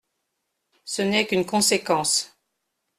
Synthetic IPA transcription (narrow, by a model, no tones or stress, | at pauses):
sənɛkynkɔ̃sekɑ̃s